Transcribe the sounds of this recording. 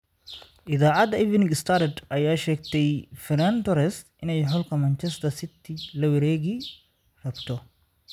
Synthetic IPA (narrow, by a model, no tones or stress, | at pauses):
ʔɪðaːʕɑd̪ɐɪvnɪɡɪst̪ʰaɾd̪ʔɐjaːʃɛːɡt̪ʰɛjfɪɾɐnt̪ɔɾɛst̪ʔɪnɛjħʊlkʰɐmɐnt͡ʃɛst̪ʰɐsɪt̪ʰɪlɐwɐɾɛːɣi | rɐbt̪ʰɔ